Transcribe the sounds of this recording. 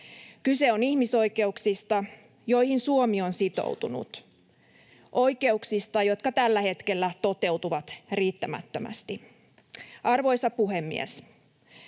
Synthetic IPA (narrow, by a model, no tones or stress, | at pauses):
kyse̞onihmiso̞jke̞uksist̪ɑ | jo̞jhinsuomionsit̪o̞̰wt̪unṵt̪ | ʔo̞jke̞uksist̪ɑjo̞t̪kɑt̪ælːæhe̞t̪ke̞lːæt̪o̞t̪e̞ut̪uʋɑt̪riːt̪ːæmæ̰t̪ːømæ̰st̪i | ɑrʋo̞jsɑpuɦemːḭḛs